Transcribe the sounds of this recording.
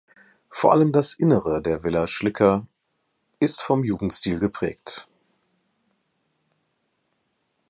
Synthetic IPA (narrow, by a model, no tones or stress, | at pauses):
foːɐʔa̰ləmdasʔɪnəʁədeːɐvɪlaʃlɪkʰɐ | ʔɪstfɔmjuːɡŋ̩tstiːlɡəpʁ̥ɛ̰ːkt